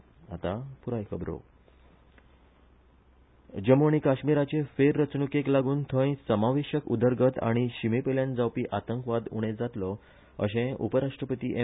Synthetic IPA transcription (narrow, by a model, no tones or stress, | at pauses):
a̰t̪apuɾajkʰəbɾo̰ | d͡ʑəmoɳ̃ikaɕmiɾat͡ɕefeɾːət͡snukeklaɡuːnt̪ʰə̃j̃səmaʋeɕəkud̪əɾɡət̪a̰ɽ̃iɕimipeljãnd͡zawpiːʔat̪əŋkʋad̪ṵɽ̃ed͡zat̪lɔ | ə̰ɕẽupəɾaʂʈɾəpət̪iːʔe